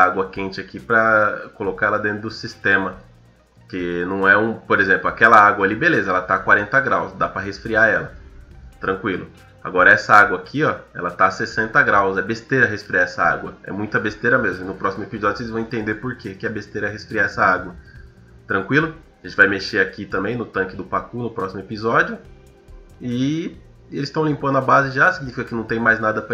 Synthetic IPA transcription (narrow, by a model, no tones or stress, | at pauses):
aɡwɐkẽnt͡ʃɪakipɾɐkolokaɛlɐd̪ẽnt̪ɾʊd̪ʊsist̪ẽmɐ | kɪnɐ̃w̃ɛũpoɾezẽplʊakɛlɐaɡwɐalibelezɐɛlɐt̪akwaɾẽnt̪ɐɡɾawsd̪apɾɐɦesfɾiaɛlɐt̪ɾɐ̃kwilʊ | a̰ɡɔɾɐɛsɐaɡwɐːkʰiɔɛ̰lɐt̪asesẽnt̪ɐɡɾawsɛbest̪eɾɐɦesfɾiaɛsɐa̰ɡwɐɛ̰mũj̃t̪ɐbest̪eɾɐmezmʊɪnʊpɾɔsimʊepizɔd͡ʒʊselɪzɐ̃w̃ẽt̪ẽnd̪eɾpoɾkekɪɛbest̪eɾɐɛɦesfɾiaɛsɐaɡwɐ | t̪ɾɐ̃kwilʊ | ʒẽtt͡ʃɪvajmeʃeakit̪ɐ̃mbẽj̃nʊt̪ɐ̃ŋkɪd̪ʊpakunʊpɾɔsimʊepizɔd͡ʒjʊ | ɪ | elɪst̪ɐ̃w̃lĩmpɐ̃nd̪ʊabazɪʒasiɡinifikɐkɪnɐ̃w̃t̪ẽj̃majznad̪ɐp